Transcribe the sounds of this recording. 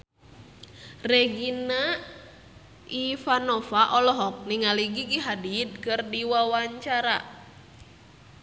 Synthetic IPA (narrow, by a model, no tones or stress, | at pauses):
rɛɡina | ifanɔfaʔɔlɔɦɔk̚niŋaliɡiɡiɦadit̪̚kɨrdiwawaɲt͡ʃaɾa